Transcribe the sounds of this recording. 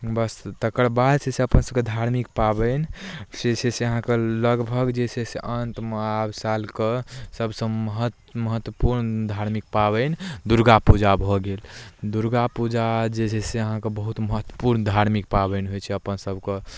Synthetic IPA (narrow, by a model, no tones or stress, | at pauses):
bəst̪əkəɾbad̪seseəpənsəb̚ked̪ʱaɾmik̚pabənseseseəɦãkeləɡbʱəɡd͡ʒeseseʔənt̪mabsalkesəbsə̃əɦət̪ | məɦət̪wəpuɾnd̪ʱaɾmik̚pabənd̪uɾɡapud͡ʒabʱɔɡeld̪uɾɡapud͡ʒad͡ʒed͡ʒʰɛseəɦãkebəɦut̪məɦət̪ːwəpuɾnd̪ʱaɾmik̚pabənɦojt͡ʃʰɛəpənsəbke